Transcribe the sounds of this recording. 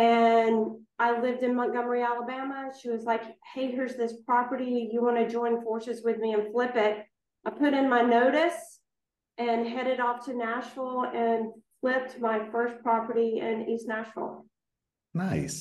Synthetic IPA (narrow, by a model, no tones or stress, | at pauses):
ɨ̃naɪlɪvdɨ̃nmʌ̃ŋɡ̥ʌmə˞iælˠəbæməʃiwʌzlaɪkheɪɦə˞zðɪspʰɹ̥ɑpə˞ɾijɨwɑñɨd͡ʒɔ̃ɪ̃nfɔɹsɨzwɨðmiɨ̃nflɪpɪt̚ | aɪpʰʊɾɨ̃nmaɪnoʊɾɨs | ɨ̃nɦɛɾɨɾɔftʰɨnæt͡ʃɹl̩ˠɨ̃nflɪp̚t̚maɪfɜ˞spʰɹ̥ɑpə˞ɾiɨ̰̃nɪtznæt͡ʃɹl̩ˠ | naɪs